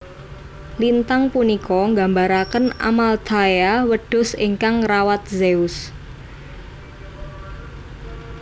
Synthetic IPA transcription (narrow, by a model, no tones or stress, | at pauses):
lint̪aŋpunikɔŋɡa̤mbaɾakəna̰malt̪ʰajawəɖ̥ʊ̤siŋkaŋrawat̪̚zeʊs